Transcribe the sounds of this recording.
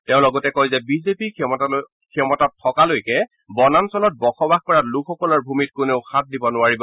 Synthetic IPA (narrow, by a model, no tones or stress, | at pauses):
tɛʊ̃lɔɡɔtɛkɔjzɛbizepi | kʰɔmɔtatʰːɔkalojkɛ | bɔnansɔlɔt̚bɔxɔbaxkɔɹatlukʰɔkɔlɔɹbʱumit̚kʊneʊxat̚dibɔnʊaɹibɔ